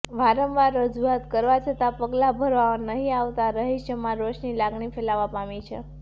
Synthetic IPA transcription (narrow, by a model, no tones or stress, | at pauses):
ʋaɾəmʋaɾːəd͡ʒuat̪kəɾʋat͡ʃʰət̪apəɡlabʱəɾʋaənəɦĩaʋt̪aɾəɦiʃəmãɾoʃnilaɡɳifelaʋãpamit͡ʃʰḛ